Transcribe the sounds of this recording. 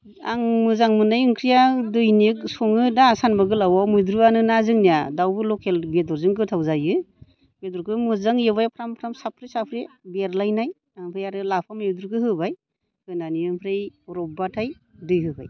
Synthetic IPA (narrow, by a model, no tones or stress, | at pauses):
a̰ŋmɯzaŋmɯnajɯŋkʰɾijadɯjniksɔŋɯdaːsanbaɡɯlawawmɯjdɾuanɯnazɯŋnijadawbɯlɔkʰelbetɔɾzɯŋkɯtʰawzajɯ | bedɔɾkʰɯmɯzaŋjebajpʰɾampʰɾamsap̚ʰɾesapʰɾe | beɾlajnaj | aŋpʰɾejaɾɯlapʰamajdɾukɯɦhɯbaj | kʰɯjnaniɯŋpʰɾejɔɾɔbatʰaj | dɯjɦɯba̰j